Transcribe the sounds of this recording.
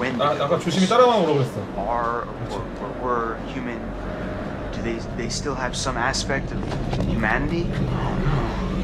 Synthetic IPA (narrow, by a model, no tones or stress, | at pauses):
wɛ̃naakat͡ʃʰusimit̪aɾamaoɾobesaə˞ | wə˞wə˞wə˞hjʉmɨ̃n | d̥ɨðeɪðeɪstɪlˠɨv̥sʌ̃mæspɛk̚tʌvðɨhjʉmænɨɾi